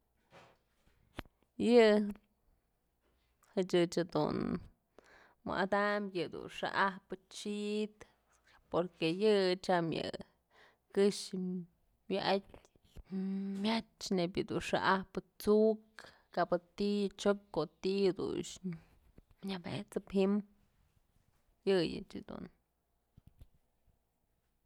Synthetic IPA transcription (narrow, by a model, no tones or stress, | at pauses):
jɨ | hɨt͡ʃɨt͡ʃad̪ṵn | mɨ̰ʔad̪amjɨd̪ṵnʂa̰ʔahpɨt͡ʃit̪ | poɾkejɨt͡ʃamjɨ̰ | kɨʂ | mjɨʔatʲ | mjat͡ʃnebjɨd̪unʂa̰ʔahpɨt͡suk | kabɨt̪it͡ʃop̚ʲkot̪id̪ṵnʃ | ɲabḛt͡sɨpɦim | jɨjɨ̰t͡ʃɨd̪̥ṵn